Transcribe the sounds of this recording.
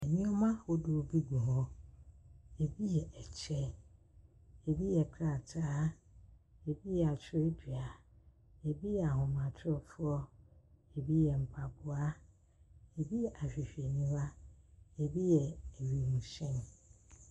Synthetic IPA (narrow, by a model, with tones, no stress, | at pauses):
ɛ˨nĩ˦ɔ˦mã˦o˦do˨o˨bi˦ɡu˨ɦɔ˦ | e˨bi˦jɛ˨ʔɛ˨t͡ɕʰɛ˦ | e˨bi˦jɛ˨kʰɾa˨tʰaː˦ | e˨bi˦jɛ˨a˨t͡ɕʰʊ˦e˦du˨a˨ | e˨bi˦jɛ˨a˨ɦʊ̃˨mã˨tʰʊ˦ɔ˨fʊ˦ɔ˦e˨bi˦jɛ˨m̩˨pʰa˨bʊ˨˦a˦ | e˨bi˦jɛ˨ʔa˨ɕᶣi˨ɕᶣe˨nĩ˦wa˦e˨bi˦jɛ˨e˨ɥi˨nũ˨sɛ̃˦˨n˨